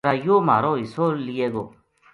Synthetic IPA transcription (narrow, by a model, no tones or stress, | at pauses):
ɾajoma̰ːɾoisolijeɡo̰